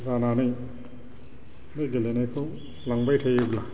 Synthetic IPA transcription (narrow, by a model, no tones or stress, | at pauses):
zananij | neɡelenajkʰuŋ | laŋbajtʰejebla